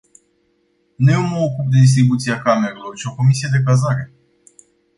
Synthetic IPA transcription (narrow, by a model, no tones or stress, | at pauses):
neuməokup̚d̪e̞d̪is̬t̪ɾibut̪siakame̞ɾelo̞rt͡ʃio̞ko̞misije̞d̪e̞k̬azaɾe̞